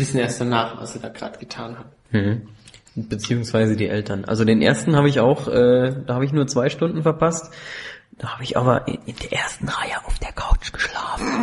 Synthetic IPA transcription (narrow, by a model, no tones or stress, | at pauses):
vɪsn̩eːɐst̚d̥anaːχva̰lsiːdaːɡ̥ʁa̰ːdɡ̥ətʰaːnhat̚ | m̩hm̩ | b̥ət͡siːʊŋsv̥aɪzədiːʔɛltɐnʔa̰lzodeːnʔḛːɐstn̩haːbəɪça̰ʊxʔɛːd̥aːhaːbəɪç̬nuːɐt͡sv̥aɪʃtʊndn̩fɛɐpʰast | d̥aːhaːbəɪçʔa̰ːbɐ̰ʔɪnd̥eːɐʔeːɐstn̩ʁaɪəʔaʊfd̥eːɐkʰaʊt͡ʃɡ̥ə̥ʃlaːfn̩